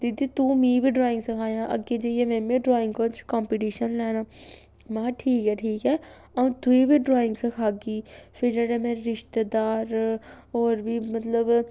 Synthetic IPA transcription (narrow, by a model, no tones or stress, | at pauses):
d̪id̪it̪umĩːbʱiɖɾaːɪ̃ŋɡsəkʰaːjãːʔɐ̰ɡed͡ʒejemẽːmẽɖɾoːɪ̃ŋɡkot͡ʃkaːmpiʈiːʃənlɛːnaː | mãɦãʈʰiːkɦɛːʈʰiːkɦɛː | ɐ̃t̪ʊibʱiɖɾoːɪ̃ŋɡsəkʰaːɡiːpʰɪɾd͡ʒaːɽemẽːɾɪʃt̪d̪aːɾ | ɔːɾbʱimət̪ləb